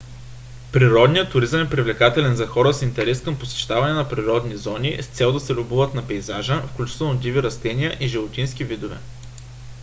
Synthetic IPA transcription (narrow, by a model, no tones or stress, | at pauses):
pɾiɾɔd̪nijət̪ːʊɾizəmɛpɾivlɛkat̪ɛlɛnzɐxɔɾəsint̪ɛɾɛskɐmposɛ̥ʃt̪avɐnɛnɐpɾiɾɔd̪nizɔnist̪sɛlˠd̪ɐsɛlʲubuvət̪nɐpɛjzaʒəfklʲut͡ʃi̥t̪ɛlˠnod̪iviɾɐst̪ɛniəʔiʒivot̪insk̟ivid̪ovɛ̰